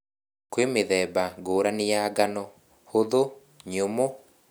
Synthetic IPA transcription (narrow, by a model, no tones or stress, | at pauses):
kwemeðɛːbaɡoːɾanejaɡanɔ | hoðo | ɲomo